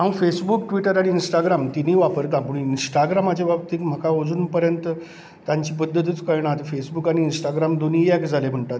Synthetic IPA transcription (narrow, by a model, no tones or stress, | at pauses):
ɦãw̃fesbukʈʋiʈəɾaɽ̃iːnsʈaɡɾamt̪iniːʋapəɾt̪ãpuɳinsʈaɡɾamat͡ɕebabt̪iːkm̤əkaod͡zuːnpəɾjənt̪ə | t̪ːãɲt͡ɕiːpəd̪ʱːət̪̬iːt͡skəɾɳat̪fesbukaɽ̃iːnsʈaɡɾamd̪oniɛkd͡zʱalem̤əɳʈat̪